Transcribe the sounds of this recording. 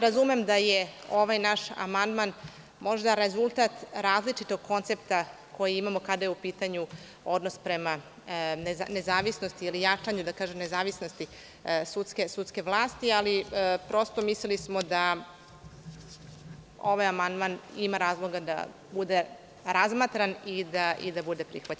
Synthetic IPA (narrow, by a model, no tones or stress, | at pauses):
ɾazume̞md̪ajeo̞ʋajnaʃa̰mand̪man | mo̞ʐd̪aɾe̞zulˠt̪at̪ɾaːzlit͡ʂit̪o̞ɡ̚kʰo̞nt̪sept̪a | ko̞jiimamo̞kad̪ajeupiːt̪aɲu | o̞d̪no̞spɾe̞ma | neanezaːʋisno̞st̪iilijat͡ʂaɲud̪akaːʒemne̞zaːʋisno̞st̪i | sut̪ske̞sut̪ske̞ʋlˠaːst̪ialipɾo̞st̪o̞mislelismo̞d̪a | o̞ʋajamand̪manimaɾaːzlˠo̞ɡad̪a̰ | bud̪e̞ | ɾazmat̪ɾanid̪aḭd̪abud̪e̞pɾixʋat͡ɕ